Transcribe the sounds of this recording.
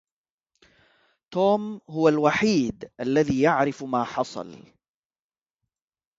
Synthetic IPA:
t̪oːmhʊwalwaħiːd̪ʔalːaðiːjaʕɾɪfmaːħɑsˤɑ̰l

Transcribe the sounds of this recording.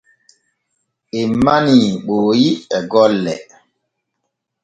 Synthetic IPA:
emːaniɓoːjiɛɡɔlːɛ̰

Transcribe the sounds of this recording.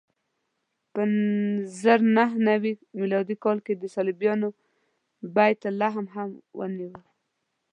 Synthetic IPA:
pəzəɾnaɦnawimilɑd̪ikɑlked̪əsalibjɑno | bajt̪ːalaɦamɦamwə̰niwəl

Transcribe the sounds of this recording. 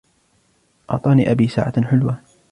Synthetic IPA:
ʔɑ̰ʕt̪ˤɑːniːʔabiːsa̰ːʕa̰ħʊlwa

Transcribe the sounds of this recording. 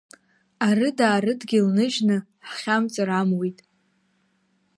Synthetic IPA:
arɨdaːɾɨdɡʲɪlnɨʒnɨħχʲamt͡sʼɨɾamwijtʼ

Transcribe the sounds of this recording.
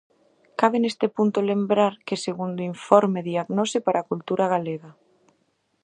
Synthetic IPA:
kaβɪnest̪ɪpunt̪ʊlembɾaɾkeseɣund̪oiɱfɔɾmeðiaɣnɔsɪpaɾʔakult̪uɾaɣ̞aleɣa

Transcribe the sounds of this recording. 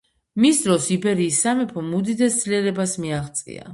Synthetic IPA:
misd̪ɾɔsibɛɾiːsːamɛpʰɔmud̪id̪ɛstd̪zliɛɾɛbasmiaʁt̪sʼḭa̰

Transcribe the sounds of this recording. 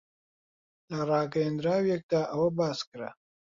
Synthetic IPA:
lɐrˤɑːɡɐjend̪ɾaːwjek̚d̪aːʔɐwɐbaːskɨɾɐ̰

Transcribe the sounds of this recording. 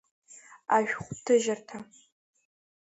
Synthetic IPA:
aːʒᶣʷχʷʊp̚tʰɨʒɐrtʰa

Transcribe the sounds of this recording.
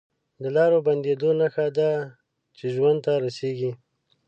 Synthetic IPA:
d̪əlɑɾoband̪ed̪onaxad̪a | t͡ʃeʒwand̪̚t̪aɾaseɡi

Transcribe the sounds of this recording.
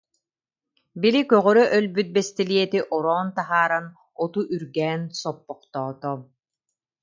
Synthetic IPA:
bilikœʁœɾœʔœlbyt̪̚bɛst̪ɛliɛt̪iʔɔɾɔːnt̪aɦaːɾan | ɔt̪uʔyɾɡɛːnsɔpːɔqt̪ɔːt̪ɔ

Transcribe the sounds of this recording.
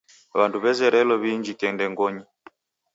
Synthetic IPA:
βanduβɛzɛɾɛlɔβiɲd͡ʒitɛndɛŋɡɔɲi

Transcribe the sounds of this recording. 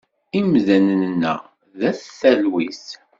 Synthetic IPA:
imzænnnːæ̰ | ðæθθælwis

